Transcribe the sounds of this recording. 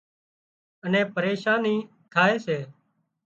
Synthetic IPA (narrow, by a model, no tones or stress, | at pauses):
ənẽːpəɾeːʃaːniː | k̪ʰaːeːseː